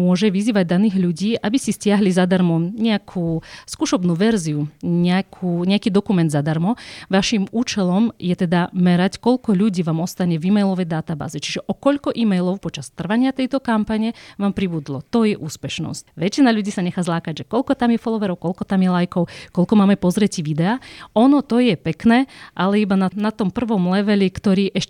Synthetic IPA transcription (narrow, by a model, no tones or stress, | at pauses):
mʊɔʒɛʋiziːʋaɟ̚d̪aniːɣʎuɟiːʔabisiscɪaɦlizad̪aɾmɔmɲɛakʰuːskuʃɔbnuːʋɛɾziuɲɛakʰuːɲɛakiːd̪ɔkumɛnd̪zad̪aɾmɔʋaʃimuːt͡ʃɛlɔmjɛt̪ɛd̪amɛɾackɔʎkɔʎuɟiːʋaːmɔst̪aɲɛviːmɛjlɔʋɛjd̪at̪aba̰ːzɛt͡ʃi̥ʒɛʔɔkɔʎkɔʔiːmɛjlɔʊpɔt͡ʃast̪r̩ʋaɲɪat̪ɛjt̪ɔkampaɲɛʋaːmpɾibud̪lɔt̪ɔjɛʔuːspɛʃnɔ̰scʋɛt͡ʃinaʎuɟiːsaɲɛxaːzlaːkaɟʒɛkɔlkɔt̪amjɛfɔlˠɔʋɛɾɔʊkɔlkɔt̪amjɛlajkɔʊkɔʎkɔmaːmɛpɔzɾɛciʋid̪ɛaɔnɔt̪ɔjɛpɛknɛːʔalɛibananat̪ɔmpr̩ʋɔmlɛʋɛlikt̪ɔɾiːʔɛʃ